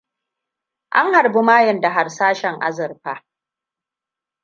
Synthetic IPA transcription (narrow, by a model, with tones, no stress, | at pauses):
ʔa̰˦ŋha˨ɾbu˦maː˦jɐ˨nda˨ɦa˨rsaː˦ʃɛ˨ŋʔa̰˦zɐ˨ɾɸa˨